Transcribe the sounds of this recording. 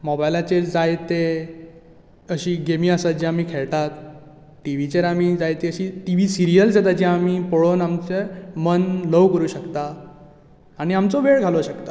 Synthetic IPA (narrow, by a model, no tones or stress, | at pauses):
mɔbajlat͡ɕed͡zajt̪e | əɕiːɡemiːəsat̪̚d͡ʑiamiːkʰeɭt̪at̪ | ʈiʋ̤it͡ɕeɾamid͡zajt̪eəɕiːʈiʋiːsiɾijəld͡zat̪ad͡ʑiamipoɭonamt͡semənləʋkəɾuːɕəkt̪aː | ɽ̃iamt͡sɔʋeɭɡʱaloɕəkt̪a